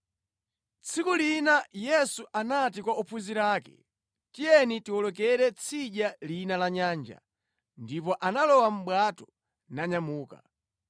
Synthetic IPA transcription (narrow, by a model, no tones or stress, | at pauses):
t͡sʰikulinajɛsuʔanatikwaupʰuziɾaːkɛ̥̰ | tijɛnitiwɔlɔk̬ɛɾɛt͡sʰiʄalinalaɲaːnd͡ʒa̰ | ndip̬ɔʔanalɔwam̩ɓwatɔ | naɲamuːka̰